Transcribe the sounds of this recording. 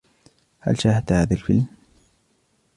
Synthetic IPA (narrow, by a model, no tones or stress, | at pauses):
ha̰lʃaːhat̪haːðalfɪlm